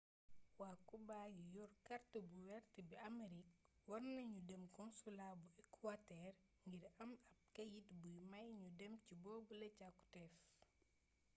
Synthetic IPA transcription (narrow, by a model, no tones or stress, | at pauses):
waːkubajujɔrkɐrtəbuwɛrtəbiɐmeɾik̚wɔrnɐɲudɛmkɔnsulaːbuɛkwatɛr | ŋɡiɾɐmɐp̚kɐjitbujmɐjɲudɛmcibɔːbulɛcakːu̥tɛf